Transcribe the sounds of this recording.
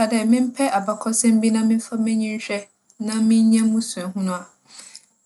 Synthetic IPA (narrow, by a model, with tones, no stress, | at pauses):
a˨dɛ˦˨mɪ̃˦m̩˦pʰɛ˦ʔa˨ba˨kʰɔ˦sɛ̃˦m̩˦bi˦nã˦mɪ̃˦fa˦mɪ̃˦ɲĩ˦n˦ɕᶣɛ˦ | nã˦mɪ̃˦ɲ˦ɲɛ̃˦mũ˦su˨ɛ̃˨ɦũ˦nʊ̃˨a˨